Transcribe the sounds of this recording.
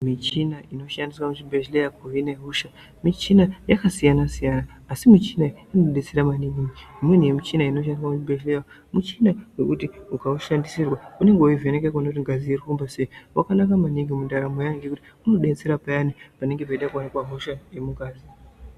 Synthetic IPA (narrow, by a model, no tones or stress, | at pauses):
mit͡ʃinaʔino̞ʃandiswamut͡ʃibʱeʃlejakuʋineɦuʃa | mit͡ʃinajakasijanasijanaːsimit͡ʃinajanoɗet͡seɾamaniɡimiimwen̤ujemit͡ʃinaino̞ʃ̬andis̬wamut͡ʃibʱeʃleja | mut͡ʃinawekutiukauʃandisirwaune̞ŋɡeuivenekekonakutiŋɡaziirikumbaseiwʔakanakamaniŋɡimundaɾamojaŋɡekuti | uno̞ɗet͡se̞ɾapajanipane̞ŋɡepaiɗakuanikwaɦoʃajemuɡʱaːzi